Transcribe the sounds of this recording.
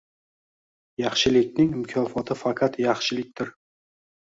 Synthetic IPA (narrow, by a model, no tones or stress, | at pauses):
jɑχʃɪlɪkʲnɪŋɪmʊkʲʰɒfɒt̪ʰɪfaqʰat̪jɑχʃɪlɪk̚ʲt̪ɪɾ